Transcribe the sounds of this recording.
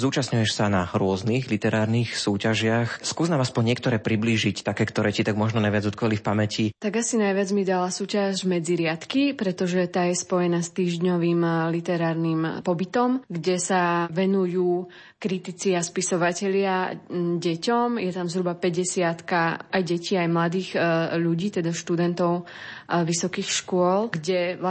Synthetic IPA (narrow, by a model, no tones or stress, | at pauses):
zuːt͡ʃastɲujɛʃsanaɾʊɔzniɣlit̪ɛɾaːɾnixsuːcaʒɪaxskuːznaːmaspɔɲɲɪɛkt̪ɔɾɛːpɾibliːʒict̪akɛːkt̪ɔɾɛːcit̪aɡmɔʒnɔnajʋɪad͡zɔt̪kɔʋalifpamɛcit̪aɡasinajʋɪad͡zmid̪alasuːcazmɛd͡ziɾɪat̪kipɾɛt̪ɔʒɛt̪aːjɛspɔjɛnast̪iːʒɲɔʋiːmlit̪ɛɾaːɾnimpɔbit̪ɔmɡɟɛsaʋɛnujuː | kɾit̪it͡siaspisɔʋacɛʎɪaɟɛcɔmjɛt̪amzɦɾubapɛɟɛsɪat̪kaʔajɟɛciːajmlad̪iːɣʎuɟiːt̪ɛd̪aʃt̪ud̪ɛnt̪ɔʊʋisɔkiːxʃkʊɔlɡɟɛa